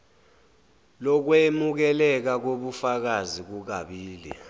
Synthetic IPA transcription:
lɔk̬wemuk̬ɛlɛk̬ak̬oɓufak̬azik̬uk̬aɓiːlḭ

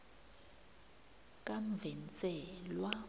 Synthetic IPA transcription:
kʼam̩vɛnt͡sʼɛlwa

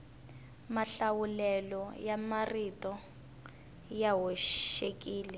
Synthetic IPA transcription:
maɬawulɛlɔjamaritɔ | jaɦɔʃekʼiːlɛ

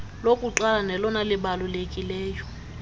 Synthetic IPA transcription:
lokʼuǁalanɛlɔnalɪbalulekʼilɛːjɔ

